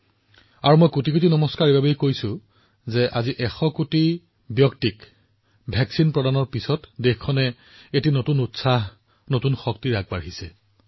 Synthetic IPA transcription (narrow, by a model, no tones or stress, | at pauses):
aɹumojkutikut̬inɔmɔskaɹibabejkojsʊ | zɛʔaziʔɛxɔkuti | bjɔktik | bʱɛksinpɹɔdanɔɹpisɔtdexkʰːɔnɛ | etinotunutsaɦ | notunxɔk̚tiɹaɡ̚baɹɦisɛ